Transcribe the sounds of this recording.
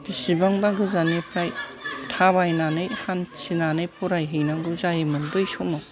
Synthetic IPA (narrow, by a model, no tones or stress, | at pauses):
bisibaŋbaɡɯzanipʰɾajtʰaβajnanɯjhansinanɯjpʰuɾajɦɯjnaɡɯzajemɯnbɯjsoma